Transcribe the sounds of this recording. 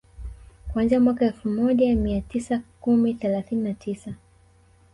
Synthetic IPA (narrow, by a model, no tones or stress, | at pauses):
kuanziamwakaɛlfumɔʄamiatisakumiθɛlaθininatʰisa